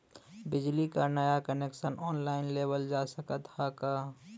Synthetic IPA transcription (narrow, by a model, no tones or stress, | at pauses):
bɪd͡ʒlikanəjakəneksənɔːnlaɪnlebəld͡ʒasəkət̪haka